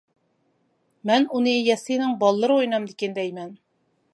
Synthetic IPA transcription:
mɛnunɨjɛsinɪŋbɑlˠːəɾɨojnɑmd̪ɪkʲɪnd̪ɛjmɛn

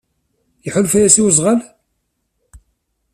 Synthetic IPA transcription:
jəħʊlfæjæsiwəzˤʁəl

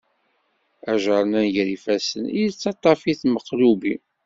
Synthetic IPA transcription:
æʒəɾˤənænʝɾifæsənit͡sːɑt̪ˤːɑfiθməqːlubi

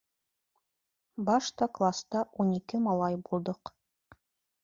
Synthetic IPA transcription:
bɑʃt̪ɑklˠast̪ɑʔunikɘmɑlˠɑjbulˠd̪ɤq

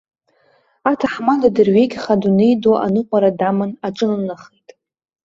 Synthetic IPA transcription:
atʰaħmadadɨrɥe̞jɡʲχadunejdoʔa̰nɨqʷʼaɾadamɨnaʈ͡ʂʼɨnanaχejtʼ

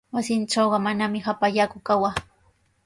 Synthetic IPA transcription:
wasɪnʈ͡ʂawɢɑmanamɪxapaʎakʊkawaː

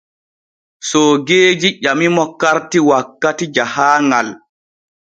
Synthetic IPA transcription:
sɔɡeːd͡ʒiʄamimɔkaɾtiwakːatid͡ʒahaːŋɡal

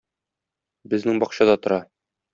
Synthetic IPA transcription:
bɘ̆znɘŋbɒqɕɑd̪ɑt̪ŏɾɑ

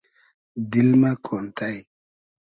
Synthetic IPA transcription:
dilmakʰontʰaj

